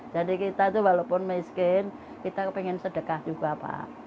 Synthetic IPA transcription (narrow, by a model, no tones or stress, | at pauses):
d͡ʒ̥adikit̪ait̪uwalopʊnmiskɪn | kit̪apiŋɪnsəɖ̥əkahd͡ʒ̥uɡ̥ab̥a̰